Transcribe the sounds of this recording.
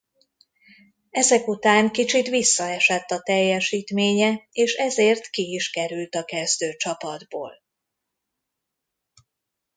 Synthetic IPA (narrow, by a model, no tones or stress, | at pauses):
ɛzɛkut̪aːŋkit͡ʃit̪ʋisːɒɛʃɛt̪ːɒt̪ɛjːɛʃiːt̪meːɲɛeːʃɛzeːrt̪kiiʃkɛɾylt̪ɒkɛzd̪øːt͡ʃɒpɒd̪bo̰ːl